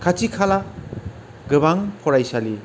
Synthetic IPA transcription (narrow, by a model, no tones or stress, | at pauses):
kʰat͡ʃikʰala | ɡɯβaŋpʰɔɾajsali